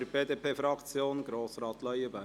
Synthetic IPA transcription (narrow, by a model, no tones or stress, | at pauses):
ɾb̥eːd̪eːpʰeːfɾɑkt͡sjoːnɡ̥ɾoːsɾɑːt̪lœjəbæ